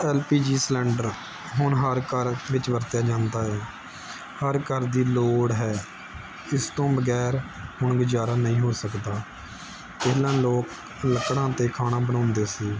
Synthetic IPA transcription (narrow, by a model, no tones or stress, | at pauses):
ɛːlpiːd͡ʒiːslɛ̃ːɳɖəɾ | ɦʊɳɦəɾkəɾʋɪt͡ʃʋəɾt̪jaːd͡ʒãːnd̪aːɦɛː | həɾkəɾd̪iːloːɽɦɛː | ɪst̪õːbəɡɛːɾhʊɳɡəd͡ʒaːɾaːnɦĩːɦoːsəkd̪aː | ɪːlãːloːk | ləkɽãːt̪eːkʰaːnaːbənãːnd̪eːsiː